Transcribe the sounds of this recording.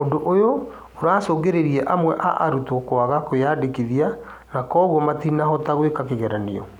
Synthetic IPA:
odoʔojo | oɾaːsoːɣeɾeɾiɛʔamwɛʔa̰ʔaɾutɔkwaɣakojadekiðia | nakɔɣɔmatinaɦɔtaɣwekakeɣɛɾaneɔ̰

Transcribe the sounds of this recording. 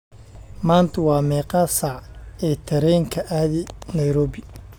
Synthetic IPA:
maːnt̪ʰɐwɑːmɛːqɑsaʕɛːt̪ʰɐɾɛːŋkʰɐʔaːðɪnɐjɾɔːβɪ

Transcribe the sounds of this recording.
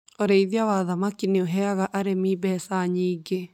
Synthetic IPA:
oɾeiðiawaðamakineoɦɛaɣaʔaɾemibɛsaɲiːɡe

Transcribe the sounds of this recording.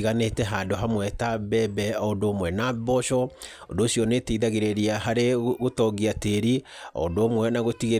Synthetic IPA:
ɣanetɛɦaːndoɦamwɛtabɛbɛɔondoːmwɛnabɔʃɔ | ondoːsjɔneteiðaɣeɾeɾiaɦaɾeɣotɔɡiateɾi | ɔ̰ondoːmwɛnaɣotiɣe

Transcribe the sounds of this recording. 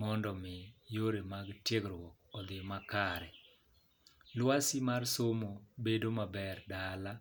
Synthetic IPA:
mɔndɔmɪjoɾemaɡtjeɡɾwɔk̚ɔd̪ɪmakaɾɛ | lwasimarsomobedomabɛrdala

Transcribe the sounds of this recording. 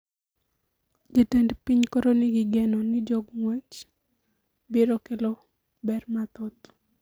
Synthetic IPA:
d͡ʒetendpiɲkoɾonɪɡɪɡɛnɔnɪd͡ʒoɡŋwɛt͡ʃ | bɪɾokelɔ | bɛrmat̪ɔt̪

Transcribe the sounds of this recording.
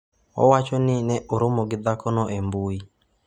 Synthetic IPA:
ɔ̰wat͡ʃɔnɪnɛʔoɾomɔɡɪd̪akɔnɔʔembui

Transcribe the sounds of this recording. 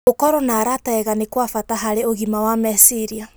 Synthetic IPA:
okɔɾɔnaːɾatɛɣanekwafataɦaɾeoɣimawamɛsiɾia

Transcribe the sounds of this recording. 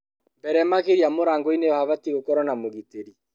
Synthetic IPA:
mbɛɾɛmaɣeɾiamoɾaːŋɡoinejɔhaβatiɣokɔɾɔnamoɣiteɾi

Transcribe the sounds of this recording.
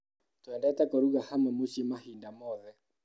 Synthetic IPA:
twɛndɛtakoɾuɣahamamusimahindamɔðɛ

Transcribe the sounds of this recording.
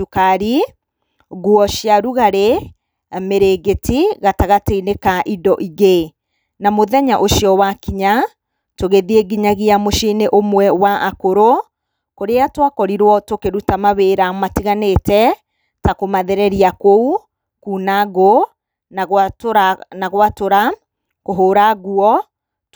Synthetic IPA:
ukaɾi | ɣwɔʃjaɾuɣaɾe | meɾeɡetiɣataɣateinekaʔidɔʔiɣe | namoðɛɲaʔoʃiɔwakiɲa | toɣeðieɡiɲaɣiamoʃineʔomwɛwaʔakoɾo | koɾeatwakɔɾiɾwɔtokeɾutamaβeɾamatiɣanetɛ | takomaðɛɾɛɾiakou | kuːnaɣo | ɣɾanaɣwatoɾa | koɦoːɾaɣuɔ

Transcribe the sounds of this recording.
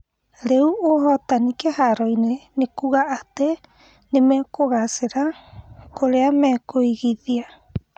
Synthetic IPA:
ɾeuoɦɔt̪anikehaɾoinenekuɣaʔːt̪e | nemɛkoɣaseɾakoɾeamɛkoiɣiðia

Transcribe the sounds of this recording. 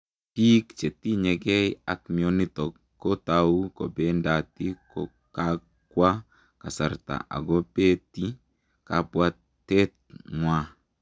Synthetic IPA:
piːkt͡ʃet̪iɲɛɡɛjakmiɔnitɔkːotaukɔbɛndatikɔ | ka | kwa | kasaɾta̰ʔa̰ɡɔpɛti | kapwa | ɛt̪̚ŋwa

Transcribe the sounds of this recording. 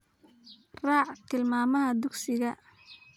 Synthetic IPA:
rɑːʕt̪ʰɪlmaːmɐɦɐd̪ʊɡsɪɣɐ

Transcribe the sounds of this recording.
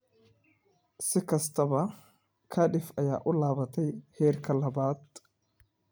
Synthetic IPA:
sɪkɐst̪ʰɐβɐ | kʰɐᶑɪfɐja̰ːʔʊlaːβɐt̪ʰɛjhɛːrkʰɐlɐbaːt̪

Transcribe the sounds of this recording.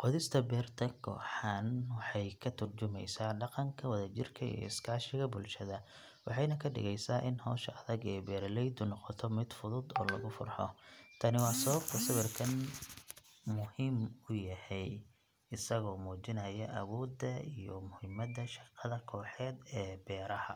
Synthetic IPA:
qɔðɪst̪ʰɐbɛːrt̪ʰɐkʰɔ̰ːħanwɑħɑjkʰɐt̪ʰʊrt͡ʃʊmɛjsaːɖɑqɑŋkʰɐwɐðɐt͡ʃɪrkʰɐḭjɔ̰ɪskʰaːʃɪɣɐbʊlʃɐðɐ | wɑħɑjnɐkʰɐɖɪ̰ɣɛjsaːʔɪnhɔːʃɐɐðɐɡɛːbɛːɾlɛjd̪ʊnɔqɔt̪ʰɔmɪd̪fʊðʊd̪ɔːlɐɣʊfʊ̰rħɔ̰t̪ʰɐnɪwɑːsɐβɐb̥̚t̪ʰɐsɐβɪrkʰɐn | mʊhɪmʊjɐhɛj | ɪsɐɣɔːmuːt͡ʃɪnɐjɐʔɐwɔːd̪ɐijɔmʊhɪmɐd̪ɐʃɑ̥qɑðɐkʰɔːħɛːd̪ɛːbɛːɾɐhɐ

